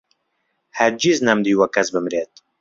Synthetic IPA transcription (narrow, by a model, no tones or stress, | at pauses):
hɛɾd͡ʒiznɛmd̪iːwɐkːɛsbɨmɾeːt̪̚